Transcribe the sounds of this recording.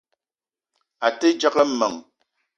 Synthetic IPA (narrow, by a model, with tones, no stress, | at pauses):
a˨te˦d͡ʒa˦kə˦m̩˦mə̰˨ŋ